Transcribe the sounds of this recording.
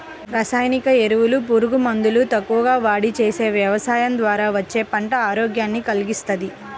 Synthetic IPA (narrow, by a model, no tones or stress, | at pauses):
ɾaːsaːjnikɐeɾuʋulupuɾuɡumɐnd̪ulut̪ɐkːuʋɐɡaːʋaːɽit͡ʃeːse̞ːʋjɐʋɐsaːjɐnd̪ʋaːɾaːʋɐt͡ʃːe̞ːpɐɳʈɐaːɾoːɡjaːnːikɐliɡist̪ɐd̪i